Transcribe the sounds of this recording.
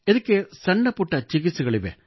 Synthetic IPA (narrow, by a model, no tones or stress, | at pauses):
ɛðɯkːesɐɳːɐpːʊʈːɐt͡ʃɪɣɪsɯɣɐɭɪʋḛ